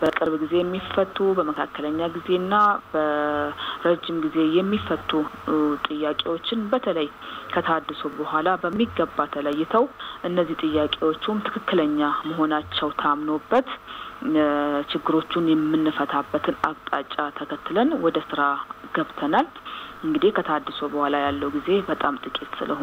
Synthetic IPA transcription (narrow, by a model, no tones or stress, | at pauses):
b̥əkʼɨɾβɡize̞jɛmːifət̪ʼːubəməkʰakːələɲːaɡize̞nːabə | ɾəd͡ʒːɪmɡize̞jɛmːifːət̪ʼːut̪ʼɨjːakʼe̞wo̞t͡ʃːɪnbət̪ʰələjkʰət̪ʰəad̪ːɨsobəhʷalabəmːiɡːəbːat̪ʰələjːɪt̪ʰəwʔɨnːəzːiht̪ʼɨjːakʼe̞wo̞t͡ʃːumt̪ʰɨ̥kʰɨkːɨləɲːaməɦo̞nat͡ʃːɛwt̪ʰamno̞bːət̪ | t͡ʃɪɡːɨɾo̞t͡ʃːunjɛmːɨnːɨfət̪ʰabːət̪ʰɨnakt̪ʼat͡ʃʼːat̪ʰəkʰət̪ːɨlənwɔd̪əsɨɾaɡəβt̪ʰənal | ɨŋɡɨd̪ikʰət̪ʰəad̪ːɨsobəhʷalajalːəwuɡize̞bət̪ʼamt̪ʼɨkʼet̪sɨ̰ləh